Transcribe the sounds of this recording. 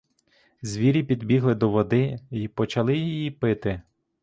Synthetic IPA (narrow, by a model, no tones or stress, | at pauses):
zʲʋʲiɾʲipʲid̪bʲiɦlˠɪd̪ɔʋɔd̪ɪipɔt͡ʃɐlˠɪjijipɪt̪ɪ